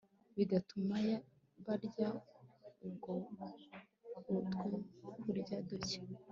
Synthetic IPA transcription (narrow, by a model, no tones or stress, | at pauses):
βiɡatumaja | βaɾɟa | ub̚ɡo | utɡokuɾɟadoce̥